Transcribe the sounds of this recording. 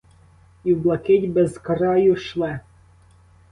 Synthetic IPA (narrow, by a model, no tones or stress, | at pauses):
iwblˠɐkɛtʲbɛzkɐɾɑjʊʃlˠɛ